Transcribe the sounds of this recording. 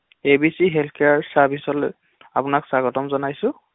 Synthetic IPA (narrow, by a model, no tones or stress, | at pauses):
ebisiɦɛlkʰijaɹsabʱisɔl | a̰pʊnaksaɡɔtɔmzɔnajsʊ̃